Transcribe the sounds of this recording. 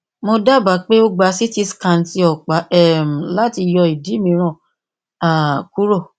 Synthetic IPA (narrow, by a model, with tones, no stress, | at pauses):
mo˧da˦˨ba˨˦k͡pe˦o˦ɡ͡ba˨˧˦si˦ti˧skã˧˨n̩˨˦ti˧ɔ˨k͡pa˨˦ɛ˦˨m̩˨la˨˦ti˧jɔ˧i˨di˨˦mĩ˧˦ɾ̃ã˦˨ | a˨ku˦ɾo˦˨